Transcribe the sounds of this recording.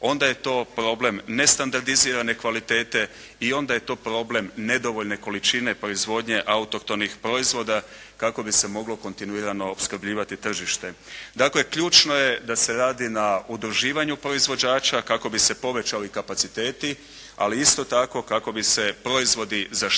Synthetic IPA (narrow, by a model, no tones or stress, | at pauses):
o̞nd̪aje̞t̪o̞ːpɾo̞ble̞mne̞st̪and̪aɾd̪iziːɾane̞kʋalit̪e̞ːt̪e̞ | io̞nd̪aje̞t̪o̞ːpɾo̞ːble̞mne̞d̪o̞ʋo̞ʎne̞ko̞lit͡ʃine̞pɾo̞izʋo̞d̪ɲe̞ʔaut̪o̞kt̪omnixpɾo̞izʋo̞d̪a | kako̞bise̞mo̞ɡlo̞ko̞nt̪inuiɾano̞ːpskr̩bʎiːʋat̪it̪r̩ʒiʃt̪ed̪akle̞kʎuːt͡ʃno̞je̞d̪ase̞ɾaːd̪inaud̪ɾuʒiːʋaɲupɾo̞izʋo̞d͡ʑaːt͡ʃakako̞bise̞po̞ʋe̞t͡ɕalikapat̪sit̪e̞ːt̪i | a̰liist̪o̞t̪ako̞kako̞bise̞pɾo̞izʋo̞d̪iza